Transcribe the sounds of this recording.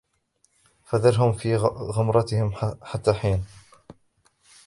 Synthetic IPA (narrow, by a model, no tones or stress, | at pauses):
faðɑɾˤɦʊmfiːɣʊmɾˤɑt̪ɪhɪmħat̪ːaːħiːn